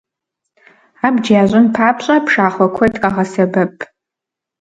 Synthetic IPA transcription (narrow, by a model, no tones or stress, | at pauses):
abd͡ʒaaʒʑʷʊnpʰaːpʰɕʼapʰʂaːχʷɔkʷʰɐjtʰʼkʼaʁɐsɐbɐpʼ